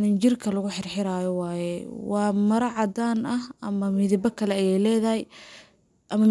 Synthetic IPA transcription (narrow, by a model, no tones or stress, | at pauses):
nɪnt͡ʃɪrkʰɐlɐɣʊħɪrħɪɾaːjɔwɑːjɛwɑːmɐɾɐʕɑd̪aːnɐhɐmɐmɪðɪbɐkʰɐlɛɐjɛjlɛːðɐɦɛj | ʔɐmɐm